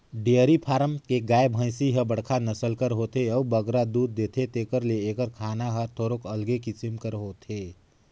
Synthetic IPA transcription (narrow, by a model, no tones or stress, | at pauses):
ɖejəɾipʰaːɾəmkeɡaːebʱə̃ɪsiɦəbəɽ̤kʰanəsəlkəɾɦoːt̪eɔbəɡɾad̪uːd̪̚ːeːt̪ʰet̪eːkəɾleeːkəɾkʰaːnaɦət̪ʰoːɾokəlɡekit͡ʃɪmkəɾɦoːt̪ʰeː